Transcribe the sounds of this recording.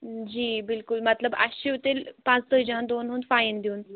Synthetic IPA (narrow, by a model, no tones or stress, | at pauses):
d͡ʑiːbɪlkulmət̪ləba̰ɕiut̪elpãt͡st̪əd͡ʑand̪onɦuːnd̪faind̪ʱiũːn